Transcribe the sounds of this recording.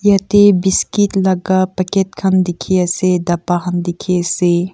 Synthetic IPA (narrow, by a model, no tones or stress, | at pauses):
jat̪ebiskitlɐɡapɐket̪̚kʰɐmd̪ikʰijɐsed̪ɐpaɦɐnd̪ikʰiɐse